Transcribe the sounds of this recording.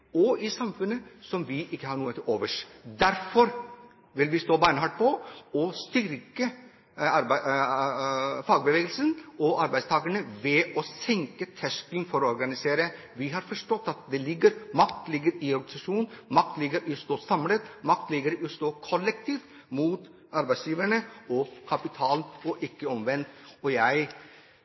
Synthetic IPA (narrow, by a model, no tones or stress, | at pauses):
ɔɪsɑmfʉnːəsɔmʋɪʔɪkːəhɑɾɳuːət̪ʰɪoːʋəʂd̪æɾfɔɾ | ʋɪlʋɪst̪oːbæɪnəhɑːʈ̚pʰɔɔst̪ʏɾkə | ɑɾ | fɑːɡbəʋeːɡəlsənɔʔɑɾbæɪdst̪ʰɑːɡəɳəʋɛʔɔsɛŋkət̪ʰæʂkɪŋfɔɾɔɔɾɡɑnɪseːɾə | ʋɪɦɑɾfɔʂʈɔt̪ːɑt̪̚d̪ɛlɪɡːəɾmɑkt̪lɪɡəɾɪɔɾɡɑnɪsɑʂuːnnmɑk̪̚lɪɡəɾɪst̪oːsɑmlət̪mɑk̚t̪lɪɡəɾɪst̪oːkʰɔlːɛkt̪ʰiːft̪ | muːt̪ | ɑɾbæɪsjiːʋəɳəɔkʰɑpɪt̪ʰɑːlnɔʔɪkːəɔmʋɛnt̪ɔjæɪ